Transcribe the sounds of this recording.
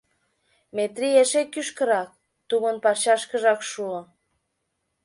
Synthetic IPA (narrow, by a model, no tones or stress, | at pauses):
met̪rieʃekːyʃkə̆ɾɑk̚ | t̪umə̆npɑrɕɑʃkə̆ʒɑkʃuo